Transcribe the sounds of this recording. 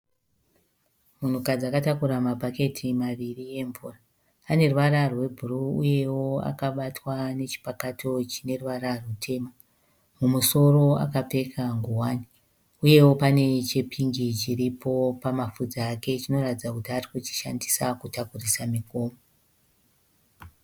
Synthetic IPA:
mun̤ukad͡zakatakuɾamapake̞tʰimaʋirie̞ɱvuːraː | ne̞ruʋararwe̞bʱuruuje̞woa̰kaɓatwane̞t͡ʃi̥pakatʰo̞t͡ʃine̞ruʋararutʰe̞ːma | mumuso̞ro̞a̰kape̞kʰaŋɡuwaːni | uje̞wo̞pane̞t͡ʃe̞pʰiŋɡit͡ʃiɾipʰo̞pamafud͡zaːke̞t͡ʃino̞ratid͡zakutiarikut͡ʃi̥ʃandisakutakurisamikoːmo

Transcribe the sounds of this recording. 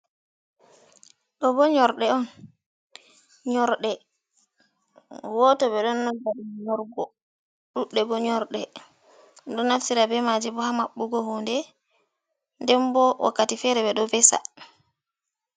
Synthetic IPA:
ɗɔbɔɲɔɾɗɛɔn | ɲɔɾɗɛ | wɔtɔbɛɗɔnːɔd͡ʒaɾiɲɔɾɡɔ | ɗuɗːɛbɔɲɔɾɗɛ | ɗɔnːaftiɾabɛmad͡ʒibɔhamaɓːuɡɔhondɛ | ndɛmbɔʔɔ̰katifɛɾɛbɛɗɔvɛsa̰

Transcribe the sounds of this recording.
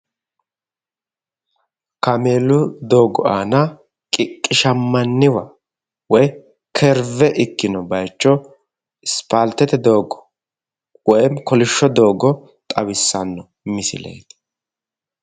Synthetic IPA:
kɐme̞ːlʊd̪o̞ːɡɔ̰aːnɐ | kʼɪkʼːɪʃɐmːɐnːɪwɐ | wɔj | kʰɛɾvɛʔɪkːɪnɔbɐjt͡ʃːɔ | ɪspaːlt̪ɛt̪ɛd̪o̞ːɡɔ̥ | wɔjɛmkɔlɪʃːɔd̪o̞ːɡɔ | t̪ʼɐwɪsːɐnːɔ | mɪsɪ̰lɛ̰jd̪

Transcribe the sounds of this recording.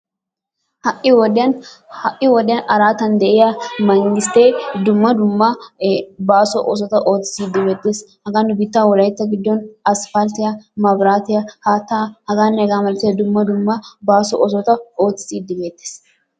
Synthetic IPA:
hɐʔːɪwɔd̪ɪjɐnhɐʔːɪwɔd̪ɪjɐnʔɐɾaːt̪ɐnd̪ɛʔɪjamɐŋɡɪst̪ed̪ʊmːɐd̪ʊmːɐ | baːsɔʔos̬ɔt̪ɐʔo̞ːt͡sːɪ̥siːd̪ːɪbe̞ːt̪ːeːshɐɡanbɪt̪ːaːwɔlɐjt̪ːɐɡɪd̪ːɔnɐsfɐlt̪ɪjɐmɐbɾaːt̪ɪjɐhaːt̪ːaːhɐɡaːnːɛɛɡaːmɐlt̪ːɪjɐd̪ʊmːɐd̪ʊmːɐbaːsɔʔɔs̬ɔt̪ɐo̞ːt͡sːɪ̥siːd̪ːɪbe̞ːt̪ːe̥ːs

